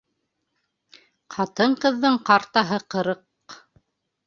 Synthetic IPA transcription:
qʰɑt̪ɤɴqɤ̆ðːɤɴqɑɾt̪ɑɦɤqɤ̆ɾɤq

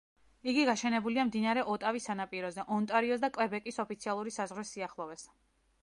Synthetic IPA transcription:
iɡiɡaʃɛnɛbuliamd̪inaɾɛʔɔt̪ʼavisanapʼiɾɔzɛʔɔnt̪ʼaɾiɔsd̪akʼlɛbɛkʼisɔpʰit̪sʰialˠuɾisazʁɾisiaχlˠɔvɛs

